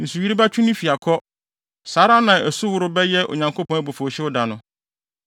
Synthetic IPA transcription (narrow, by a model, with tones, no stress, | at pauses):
n̩˨su˨ji˦ɾi˦ba˦t͡ɕʰᶣu˦nɪ̃˦fi˨a˨kʰɔ˦ | saː˨˦ɾa˦nã˨ɛ˨su˦wʊ˨˦ɾʊ˦bɛ˦jɛ˦ʔo̰˨ɲã˨ŋko˦pɔ̃˦æ˦˨bo˨fo˨ɕɛ˦ʊ˦da˨nʊ̃˦